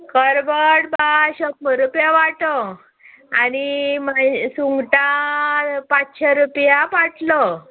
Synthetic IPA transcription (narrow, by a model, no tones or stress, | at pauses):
kəɾbəɽbaɕəpːəɾupjaʋaʈə | animasuŋɡʈa | pat͡sɕaɾupjapaʈlə